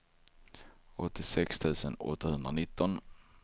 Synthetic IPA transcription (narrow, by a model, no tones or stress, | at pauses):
ɔt̪ːɪsɛkst̪ʰʉ̟ːsənɔ̰t̪ːahɵnd̪ɾanɪt̪ːɔn